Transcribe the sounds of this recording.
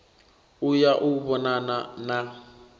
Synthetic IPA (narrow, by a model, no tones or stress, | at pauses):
ʊjaʔʊbɔnanana